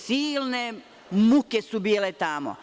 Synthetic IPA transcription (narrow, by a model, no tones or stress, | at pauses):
siːlne | mukesubiːlet̪amo̰